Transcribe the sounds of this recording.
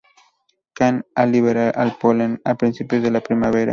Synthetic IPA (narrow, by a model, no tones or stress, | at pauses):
kanɐliβeɾaʔɐlpolenɐpɾĩnsipjozðelɐpɾimɐβeɾɐ̰